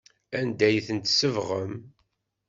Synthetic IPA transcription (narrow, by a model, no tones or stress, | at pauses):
ænd̪æjθənt̪səvʁəm